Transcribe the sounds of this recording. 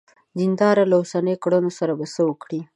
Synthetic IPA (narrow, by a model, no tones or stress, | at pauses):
zind̪ɑɾalaosanəjkɽənosaɾabasəwəkɽi